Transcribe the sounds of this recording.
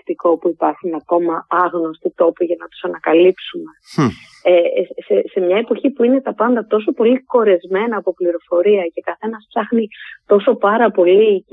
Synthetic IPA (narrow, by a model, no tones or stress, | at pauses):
t̪iko̞puipɐɾxunɐko̞mɐɐɣno̞st̪it̪o̞piʝɐnɐt̪u̥sɐnɐkɐlipsume̞ | esese̞mɲɐepo̞çipuine̞t̪ɐpɐnd̪ɐt̪o̞so̞po̞liko̞ɾe̞zme̞nɐːpo̞pliɾo̞fo̞ɾiɐce̞kɐθe̞nɐsfsɐxnit̪o̞so̞pɐɾɐpo̞li